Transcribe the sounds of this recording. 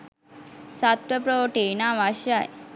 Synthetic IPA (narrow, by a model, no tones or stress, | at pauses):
sat̪ʋəpɾoʈenaʋaɕjaj